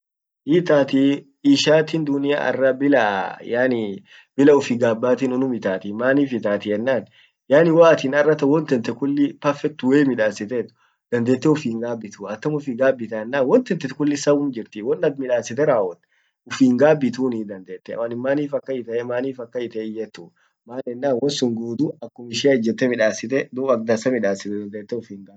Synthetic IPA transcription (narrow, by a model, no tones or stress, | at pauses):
ʔiːt̪aːt̪i | iʃaːt̪iːnd̪ʊnɪja̰ːɐ̰rːɐbɪlɐjaːnɪ | bɪlɐʊfɪɡaːbːaːt̪inʊnʊmɪt̪aːt̪ɪmaːniːfɪt̪aːt̪ɪɛnːaːn | jaːnɪwaːt̪iːnɐrːɐt̪ɐwɔnt̪ɛnt̪ɛkʊlːɪpɐfɛk̚t̪ʊweːmɪᶑaːsɪt̪ɛt̪ʊ̥ | d̪̥ɐnd̪e̞ːt̪ːɛʊfiːŋɡaːbɪt̪uɐt̪ːɐmʊfiɡaːbːɪt̪ɐɛnːaːnwɔnt̪ɛnt̪ːɛt̪kʊlːɪsɐwʊmd͡ʒɪɾt̪iːwɔnːɐd̪mɪᶑaːsɪt̪ɛɾaːwɔt̪ | ʊfiːŋɡaːbɪt̪uːnid̪ɐnd̪e̞ːt̪ːɛɐ̰wɐnɪmːaːniːfɐkːɐɪt̪ɐemaːniːfɐkːɐɪt̪ɐɪjɛt̪ːu | maːnɛnːaːnwɔnsʊŋɡuːd̪uɐkːʊmɪʃɪɐɪd͡ʒɛt̪ːɛmɪᶑaːsɪt̪ɛd̪uːɐk̚d̪ɐsɐmɪᶑaːsɪt̪ɛd̪ɐnd̪eːt̪ːɛʊfiːŋɡaː